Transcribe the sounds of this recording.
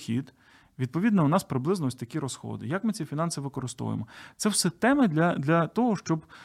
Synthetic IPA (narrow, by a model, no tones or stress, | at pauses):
xʲḭd̪ | ʋʲid̪̚pɔʋʲid̪nɐʊnɑspɾɪblˠɪznɔɔsʲt̪ɐkʲiɾɔsxɔ̰d̪ɪ̰jɐkmɪt͡sʲifʲinɑnsɪʋɪkɔɾɪst̪ɔ̰ʋʊ̰j̰mɔt̪sɛwsɛt̪ɛmɪd̪lʲɐd̪lʲɐt̪ɔɦɔʃt͡ʃɔb